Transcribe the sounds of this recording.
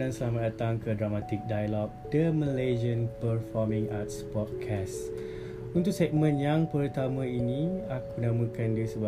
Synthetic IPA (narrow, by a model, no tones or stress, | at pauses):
nansəlamat̚dat̪aŋkədɾamat̪ik̚dajalɔk̚d̥əməled͡ʒiənpərfɔmĩŋat̪̚spɔt̪̚kʰɛs | unt̪ʊk̚sɛk̚mə̃njaŋpərut̪amə̃inĩakunãmə̃kandisəba